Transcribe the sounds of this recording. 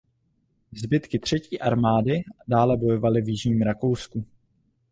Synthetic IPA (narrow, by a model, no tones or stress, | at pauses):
zbɪt̪kɪt̪r̝̥ɛciːʔaɾmaːdɪdaːlɛbo̞jo̞valɪvjɪʒɲiːmɾako̞wsku